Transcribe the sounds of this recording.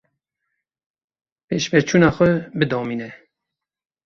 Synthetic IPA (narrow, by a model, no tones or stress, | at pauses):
peːʃbɛɾt͡ʃʰuːnɑːxʷɛbɨd̪ɔːmiːnɛ